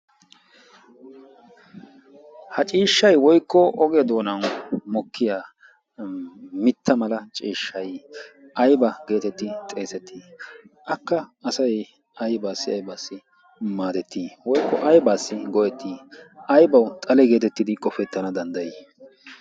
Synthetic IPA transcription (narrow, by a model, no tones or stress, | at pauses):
hɐt͡ʃʼiːʃːɐjwɔjkːɔʔɔɡɛɐd̪o̞ːnɐwmɔkːɪjaː | mɪt̪ʰːɐmɐlɐt͡ʃʼiːʃːɐj | ʔɐjbɐɡe̞ːt̪ɛt̪ːɪt̪ʼe̞ːsɛt̪ʰːiːʔɐkːɐːsɐj | ɐjbaːsːɪɐ̰jbaːsːɪ | maːd̪ɛt̪ʰːiːwɔjkːɔʔɐjbaːsːɪɡɔjɛt̪ʰːiːʔɐjbɐwt̪ʼɐlɛɡe̞ːt̪ɛt̪ːɪd̪ɪkʼɔfɛt̪ːɐnɐd̪ɐnd̪ɐji